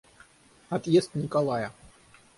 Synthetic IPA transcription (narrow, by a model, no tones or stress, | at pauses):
at̪jɛst̪nʲikalˠajɐ